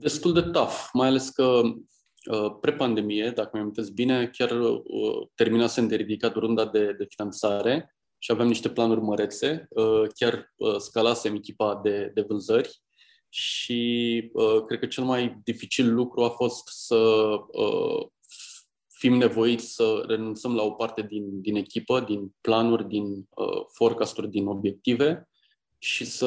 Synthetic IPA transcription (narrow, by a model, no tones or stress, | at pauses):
d̪e̞st̪uld̪e̞t̪afmajale̞skə | əpɾe̞pand̪e̞mije̞d̪akəmjamint̪esbine̞kʲarə̰t̪e̞rminasend̪eɾid̪ikat̪rund̪ad̪e̞d̪e̞finant̪saɾe̞ | ʃiaveamniʃt̪e̞planurʲməɾe̞t̪se̞əkʲarəskalase̞mekʲipad̪e̞d̪e̞vɨnzərʲ | ʃiəkɾe̞d̪̚kət͡ʃe̞lmajd̪ifit͡ʃilːukɾuafo̞st̪səə̰ | fimne̞vo̞it̪sʲsəre̞nunt̪səmlao̞part̪e̞d̪ind̪ine̞kʲipəd̪inplanurʲd̪inə̰fo̞rkast̪urʲd̪ino̞bje̞k̚t̪ive̞ | ʃisə